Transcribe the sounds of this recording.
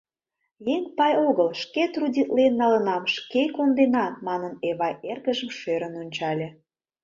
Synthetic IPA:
jeŋpɑjoɣəlʃket̪rudʲit̪lenːɑlənɑmʃkekond̪enɑmɑnəneβɑjerɣəʒə̆mʃøɾənonʲt͡ɕɑlʲe

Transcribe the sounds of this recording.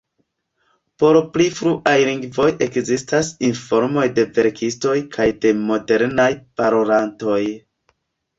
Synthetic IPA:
po̞ɾplifɾuʔajliŋɡvo̞jʔe̞kzistasinfo̞ɾmo̞jde̞veɾkʰisto̞jkʰajde̞mo̞de̞ɾnajpaɾolanto̞j

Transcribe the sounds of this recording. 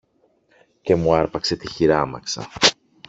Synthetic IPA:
ce̞muɐɾpɐkse̞t̪içiɾɐmɐ̰ksɐ̰

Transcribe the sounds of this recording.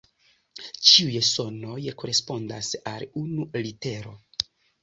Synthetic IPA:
t͡ʃiujso̞no̞jko̞ɾe̞spo̞ndasalunulite̞ɾo̞

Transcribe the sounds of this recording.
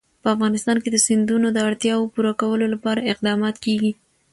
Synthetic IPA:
pəafɣɑnɪst̪ɑnked̪əsɪnd̪unod̪əaɽt̪jɑwopuɾakawəlolapɑɾaɪqd̪ɑmɑt̪keɡi

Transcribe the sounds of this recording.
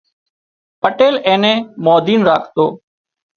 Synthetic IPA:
pəʈeːlẽːnẽːmoːd̪iːnɾa̰ːkʰt̪oː

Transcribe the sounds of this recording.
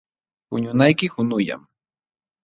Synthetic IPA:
pʊ̰ɲʊnajkɪhʊnʊja̰m

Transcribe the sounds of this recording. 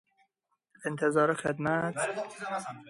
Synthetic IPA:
ent̪ʰezɑːɾexed̪mæt̪

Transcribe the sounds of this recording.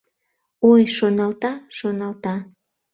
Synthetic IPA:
ojʃonɑlt̪ɑʃonɑlt̪ɑ

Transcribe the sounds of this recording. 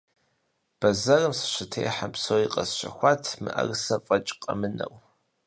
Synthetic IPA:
b̥ɐzɐrɨmsɨ̥ʃɪtʰḛjħapsoːwiqʼɐsɕɐ̰xʷɑːtʰmɨ̰ʔɐrɨsɐfʼɐt͡ʃʼqʼɐmɨnɐ̰w

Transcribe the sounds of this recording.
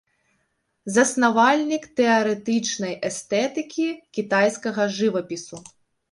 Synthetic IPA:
zɐsnavalʲnʲikt̪ɛɐɾɛt̪ɨt͡ʂnɐjʔɛst̪ɛt̪ɨkʲikʲit̪ajskɐɣɐʐɨvɐpʲisu

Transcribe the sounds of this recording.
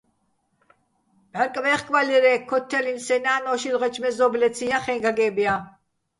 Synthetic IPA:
bɛɾkʼvɛχkʼvaliɾɛkʰːɔt̪ʰːɛlinsɛnaːnɔʃilʁɛt͡ʃʰmɛzɔblɛt͡sʰijaχɛŋɡaɡɛbja

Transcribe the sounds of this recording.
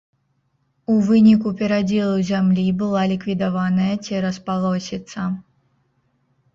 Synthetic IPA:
uvɨnʲikupʲɛɾad͡zʲilˠuzʲamlʲibɨlˠalʲikvʲid̪avanɐjɐt͡sʲɛɾɐspalˠɔsʲit̪sɐ

